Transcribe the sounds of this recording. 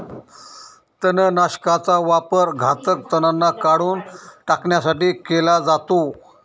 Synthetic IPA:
t̪ənənaɕkat͡saʋapəɾɡʱat̪ək̚t̪ənanːakaɽuːnʈakɳjasaʈiːkelad͡zat̪o

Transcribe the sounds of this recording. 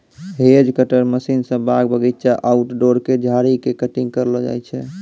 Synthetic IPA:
ɦed͡ʒkəʈəɾməsinsə̃baɡbəɡit̪ːt͡ʃaʔauʈɖoɾked͡ʒʱaɾikekəʈiŋɡkəɾlɔd͡ʒa̰jt͡ʃʰɛ

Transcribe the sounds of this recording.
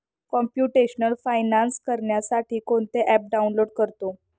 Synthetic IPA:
kɔmpjuʈeɕnəlfajnanskəɾɳjasaʈʰiːkoɳt̪eʔɛp̚ɖaunloɽkəɾt̪o

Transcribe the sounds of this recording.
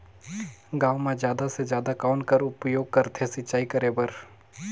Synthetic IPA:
ɡãːwmẽd͡ʒjaːd̪asezjaːd̪akaːnkɐɾʊpjoːɡ̚kɐɾt̪ʰesɪtːt͡ʃaːikɐɾebəɾ

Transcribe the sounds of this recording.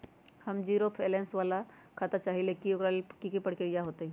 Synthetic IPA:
hɐmd͡ʒiːɾopʰeːlɛ̃ːnsʋaːla | kʰaːt̪at͡ʃaːɦilekioɾakikepɐɽ̤keɾijaɦoːt̪eɦɛ̃ː

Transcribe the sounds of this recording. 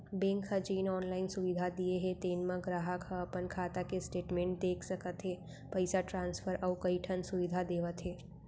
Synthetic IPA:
bẽŋkʰɦəd͡ʒinɔnlainsuʋid̪ʱad̪ieɦet̪enmãɡɾaɦəkəəpənkʰat̪akesʈeʈmẽɳʈ̚d̪ekʰʃəkət̪ʰɦe | pəjsaʈɾãnsfʰəɾʔəʋukəiʈʰənsuʋid̪ʱad̪eʋət̪ʰɦe

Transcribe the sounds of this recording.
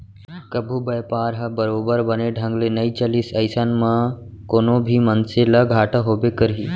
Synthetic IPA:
kəbʱubəjpaːɾɦɐbəɾoːbəɾbəneɖʱə̃ŋɡlenəit͡ʃəlisɐɪsaːnmã | koːnõbʱimənseləɡʱaːʈʰəɦoːbekəɾɦiː

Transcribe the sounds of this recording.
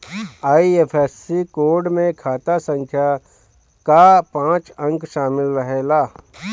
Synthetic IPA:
aːieːpʰɛsːikoːɾɖmẽkʰaːt̪asə̃ŋkʰja | kapãːt͡ʃə̃ŋkʃaːmɪlɾəɦeːlaː

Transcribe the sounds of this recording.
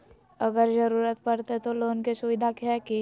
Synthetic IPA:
ɐɡəɾzɐɾuːɾət̪pɐɾt̪et̪oloːnkesʊʋɪd̪ʱakɦɛke

